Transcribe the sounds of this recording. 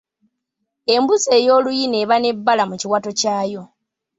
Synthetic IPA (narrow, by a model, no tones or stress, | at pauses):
e̞mbuse̞ːjo̞ːlujine̞ːβane̞bːalamuciwatocaːjo̞